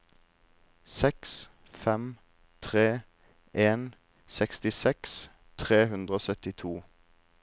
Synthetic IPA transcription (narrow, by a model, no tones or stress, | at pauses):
sɛks | fɛm | t̪ʰʁeː | ʔeːn | sɛkst̪ɪsɛks | t̪ʰʁeːhʉnd̪ʁəoːsœt̪ɪt̪ʰuː